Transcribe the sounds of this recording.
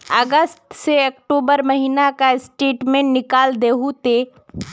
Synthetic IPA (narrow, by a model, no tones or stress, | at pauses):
əɡəst̪seɐkʈoːbəɾməɦinakaɪsʈeːʈmẽːnɪkaːld̪eːɦut̪e